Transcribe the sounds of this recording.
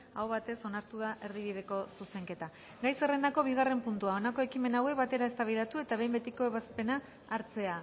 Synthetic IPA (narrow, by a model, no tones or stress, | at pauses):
awβat̪e̞so̞naɾt̪uðaʔe̞ɾðiβ̞ið̞e̞ko̞suse̞ŋke̞t̪a | ɡajse̞rend̪ako̞β̞iɣare̞mpunt̪uao̞nako̞e̞kime̞nawe̞kβat̪e̞ɾaest̪aβiðat̪ue̞t̪aβe̞jmbe̞t̪iko̞e̞βaspe̞naː | ɾt͡se̞a